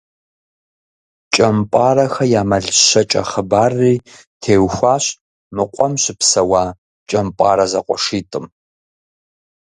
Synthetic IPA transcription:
t͡ʃʼɐmpʷʼaːrɐxɐjaːmɐɮɕɐt͡ʃʼɐ̰χəbaːrːiː | tʰeːwxʷaːɕ | mɨqʷʼɔmɕɪpsɐwaː | t͡ʃʼɐmpʷʼa̰ːɾɐzɐqʷʼɔʂiːtʼɨm

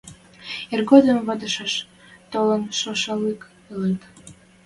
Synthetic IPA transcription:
erɣod̪əmβɑd̪əʃɑʃ | t̪olənʃoʃɑlek | elet̪

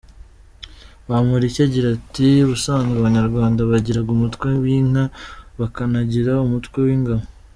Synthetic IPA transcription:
βamuɾicaɟiɾatiβusaːŋɡaβaɲaɾɡwaːndaβaɟiɾaɡumutkwe̞wiŋaβakanaɟiɾaumutkwe̞wiːŋɡaβo

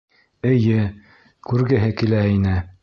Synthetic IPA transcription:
ɘ̆jɘ | kʉɾɡɘ̆ɦɘkilæinɘ

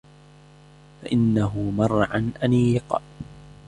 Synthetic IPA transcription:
faʔɪnːaɦʊmɑrˤːʕanʔaniqɑ̰

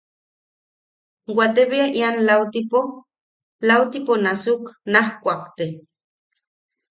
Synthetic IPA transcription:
wʷat̪eβiaʔianlawt̪ipo | lawt̪iponasuknahkʷakt̪e

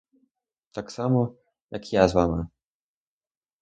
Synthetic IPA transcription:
t̪aksamɔ | jakjazvama

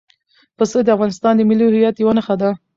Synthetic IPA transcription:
pəsəd̪əafɣɑnɪst̪ɑnd̪əmɪlihɪjɑt̪jawanəxad̪a

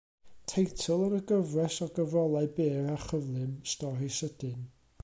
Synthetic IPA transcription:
tʰejtʰɔlˠənəɡəvrɛsɔɡəvrɔlˠaɨbeːɾaχəvlˠɨmstɔrisəd̥ɨn

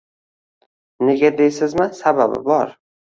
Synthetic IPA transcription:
ne̞ɡʲad̪ejsɪzmɪsababɪ̰bɒɾ

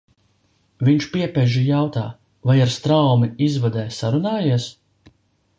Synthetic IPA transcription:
viɲt͡ʃpiɛpɛʒijawt̪a̰ː | vajaɾst̪ɾawmiizvad̪ɛːsaɾunaːjiɛs

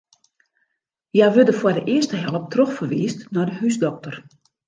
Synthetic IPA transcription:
jajʋødəfwɔrdəʔɪəstəɦɛlˠəp̚trɔxfərʋiːstnɔdəɦysdɔk̚tər

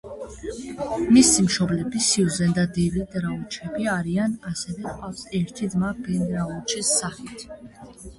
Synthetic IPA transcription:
misimʃɔblɛbisiuzɛnd̪ad̪ɛlid̪ɾaɔt͡ʃʰɛbiaɾianasɛvɛqʼafsɛɾt̪ʰid̪mabɛnɾavɔt͡ʃʰisːaχit̪ʰ

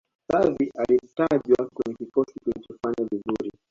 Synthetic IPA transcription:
saviʔalitaʄwakwɛɲɛkikɔsikulit͡ʃɔfaɲavizuɾi

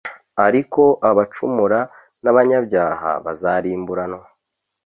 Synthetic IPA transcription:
aɾiko̞ʔaβat͡ʃumuɾa | naβaɲabɟaːha̰βazaɾiːmbuɾano

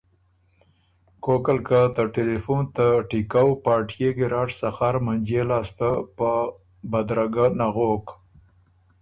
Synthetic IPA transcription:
kokalkat̪əʈelefunt̪aʈikawpɑːʈjeɡiɾɑʈsaxaɾmand͡ʒelɑːst̪apə | bad̪ɾaɡanaɣok

